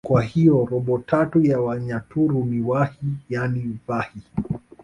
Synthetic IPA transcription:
kwahijɔɾɔɓɔtʰatujawaɲatuɾuniwahijanivahi

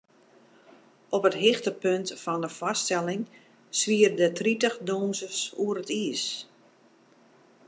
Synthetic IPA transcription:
ʔɔpətɦɪxtəpøntfɔndəfɔstɛlɪŋ | sʋiərdətritəxdoːnsəsuəɾətiəs

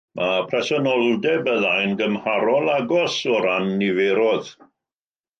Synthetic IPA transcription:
mʔapʰrɛsɔnɔlˠdɛbəðajnɡəmhaɾɔlˠaɡɔsɔɾanːiveɾɔð

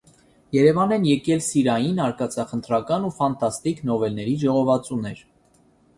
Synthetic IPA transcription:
jɛɾɛvɑnɛnjɛkɛlsiɾɑjinɑɾkɑt͡sʰɑχənt̪ɾɑkɑnufɑnt̪ʰɑst̪iknɔvɛlnɛɾiʒɔʁɔvɑt͡sunɛɾ

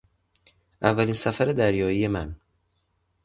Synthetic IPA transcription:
ʔævːæliːnsæfæɾed̪æɾjɒːije̞mæn

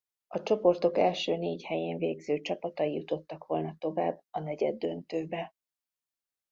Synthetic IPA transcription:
ɒt͡ʃo̞po̞rt̪o̞kɛlʃøːneːchɛjeːɱveːɡzøːt͡ʃɒpɒt̪ɒjijut̪o̞t̪ːɒkʋo̞lnɒt̪o̞va̰ːbːɒnɛɟɛ̰d̪ːø̞nt̪øːbɛ

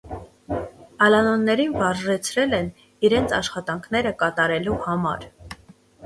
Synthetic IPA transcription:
ɑlɑnɔnːɛɾinvɑɾʒɛt͡sʰɾɛlɛn | iɾɛnt͡sʰɑʃχɑt̪ɑŋkʰnɛɾəkɑt̪ɑɾɛluhɑmɑ̰ɾ

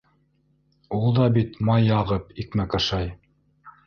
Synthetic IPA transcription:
ulˠd̪ɑbit̪mɑjɑʁɤpikmækɑʃɑj

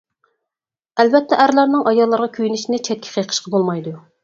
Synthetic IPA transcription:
ælbɛt̪ʰːɛʔæɾlˠɑɾnɨŋʔɑjɑlˠːɑɾʁɑkʲʰøjynɪʃnɪt͡ʃʰɛt̪̚kʲʰi̥qʰəjqʰə̥ʃqʰɑbolˠmɑjd̪u

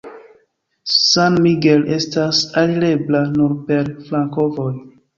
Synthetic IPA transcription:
sanmiɡele̞stasaliɾe̞blanuɾpe̞ɾflaŋko̞voj

